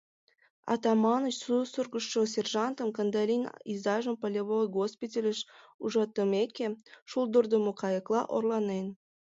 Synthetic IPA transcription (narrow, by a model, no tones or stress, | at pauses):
ɑ̰t̪ɑmɑnət͡ɕsusurɣəʃːos̬ʲerʒɑnt̪əmkənd̪ɑlʲinizɑʒəmpəlʲeβojɡospitʲelʲəʃ | uʒɑt̪əmekeʃuld̪ərd̪əmokɑjəklɑ̰ʔo̰rlɑnen